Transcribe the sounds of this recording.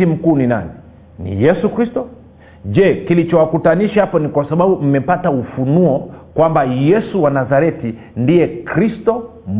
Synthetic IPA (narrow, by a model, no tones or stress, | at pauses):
im̩kuːnina̰ni | nḭjɛsukɾistɔ | d͡ʒɛkilit͡ʃɔwakutaniʃahapɔnikwasaɓaɓum̩mɛpataufunuɔkwambajɛsuwanazaɾɛti | ndiɛkɾistɔ | m